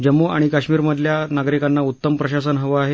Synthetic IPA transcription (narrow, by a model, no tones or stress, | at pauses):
d͡ʑəmːuʔa̰ɽ̃ikaɕmiːɾməd̪ʱljanaɡɾikanːautt̪ːəmpɾəɕas̬ənɦəʋəaɦe